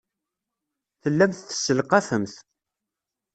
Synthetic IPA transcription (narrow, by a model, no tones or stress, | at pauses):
θəlːæmθθə̥sːəlqɑfəmθ